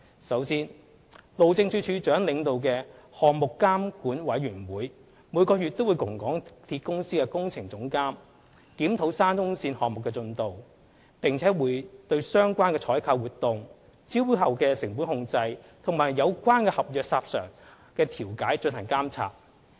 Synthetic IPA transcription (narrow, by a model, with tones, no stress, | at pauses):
sɐ˨˥wsiː˥n | lo˨wt͡sɪ˧ŋt͡ʃʰyː˨˥t͡ʃʰyː˨˧t͡ʃœː˨˥ŋlɪ˨˧ŋt̪o˨wkɛː˧ | hɔː˨kmʊ˨kːaː˥mkuː˨˥nwɐ˨˥jɥyː˨˩nwuː˨˥j | muː˨˧jkɔː˧jy˨t̚t̪o˥wuː˨˧jkʊ˨˩ŋkɔː˨˥ŋt̪ʰiː˧t̚kʊ˥ŋsiː˥kɛː˧kʊ˥ŋt͡sʰɪ˨˩ŋt͡sʊ˨˥ŋkaː˥m | kiː˨˥mt̪ʰo˨˥wsaː˥nkʊ˥ŋsiː˧nhɔː˨ŋ̚mʊ˨kːɛː˧t͡sɵ˧nt̪o˨w | pɪ˨ŋt͡sʰɛː˨˥wuː˨˧jt̪ɵ˧ɥsœː˥ŋkʷwaː˥nkɛ˧t͡ʃʰɔː˨˥jkʰaː˧wuː˨t̚t̪ʊ˨ŋ | t͡si˥whɐ˨wkɛː˧sɪ˨˩ŋpu˨˥nhʊ˧ŋt͡sɐ˧jt̪ʰʊ˨˩ŋmaː˨˩jːɐ˨˧wkʷaː˥nkɛː˧hɐ˨p̚jœː˨k̚saː˧p̚sœ̰ː˨˩ŋ | kɛː˧t̪ʰiː˨˩wkaː˨˥jt͡ʃɵ˧nhʰɐ˨˩ŋkaː˥mt͡sʰa̰ː˨p̚